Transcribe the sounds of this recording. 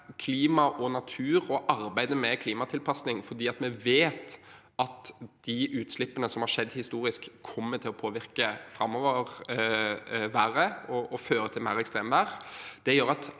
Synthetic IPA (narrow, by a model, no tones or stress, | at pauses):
kʰliːmɑʔɔnɑt̪ʰʉːɾɔʔɑɾbæɪd̪əmɛkʰliːmɑt̪ʰɪlpʰɑsnɪŋfɔɾd̪iːɑt̪mɛʋeːt̪ | ɑt̪d̪̥iʔʉːt̪slɪpːənəsɔmhɑɾʂɛd̪ːhɪst̪uːɾɪskʰːɔmːət̪ʰɪlɔpʰoːʋɪɾkəfɾɑmːɔʋəʁ | ʋæːʁəɔɔføːɾət̪ʰɪlmæːɾɛkst̪ʁeːmʋæːʁd̪̥ɛjøːɾɑt̪